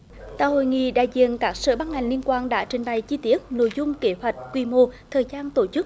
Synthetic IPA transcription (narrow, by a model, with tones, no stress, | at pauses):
t̪a̰ː˧˩ho̰˧˨jŋḭ˧˨ɗa̰ː˧˨jzḭ˧˨ənkaː˦˥k̚sə̰ː˧˩ɓaː˧nha˨˩jŋ̟li˧ənkwaː˧nɗa̰ː˧˥t͡ɕï˨˩ŋ̟ɓa˨˩jt͡ɕi˧t̪i˦˥ət̚no̰˧˥jzʊ˧ŋ͡mke˨˦hwa˨˩jt̟̚kwi˧˩mo˧t̪ʰəː˨˩jzaː˧nt̪o˧˩t͡ɕɨ˦˥k̚